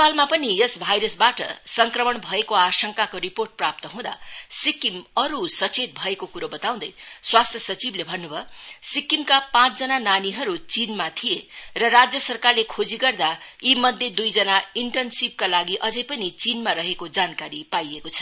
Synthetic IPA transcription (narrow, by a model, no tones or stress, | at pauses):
palmapʌnijʌsbʱajɾʌsbaʈʌ̰sʌŋkrʌmʌɳbʱʌekoasʌŋkakoɾiporʈ̚prap̚t̪ʌɦũd̪a̰sikimʌɾusʌt͡set̪̚bʱʌekokuɾobʌt̪aw̃d̪ʌjswast̪ʰjʌsʌt͡siblebʱʌnːubʱʌsikimkapãt͡sd͡zʌnananiɦʌɾut͡sinmat̪ʰijerʌrad͡zjʌsʌrkarlekʰod͡ziɡʌrd̪ajimʌd̪ʱjed̪ujd͡zʌnaiɳʈʌnsib̚kalaɡiʔʌd͡zʌjpʌnit͡sinmaɾʌɦekod͡zankaɾipajekot͡sʰʌ̥